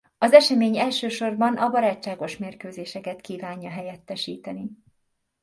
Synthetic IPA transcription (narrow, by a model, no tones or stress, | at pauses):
ɒzɛʃɛmeːɲɛlʃøːʃo̞rbɒnɒbɒɾaːt͡ʃːaːɡo̞ʃmeːrkøːzeːʃɛkɛt̪kiːvaːɲːɒɦɛjɛt̪ːɛʃiːt̪ɛni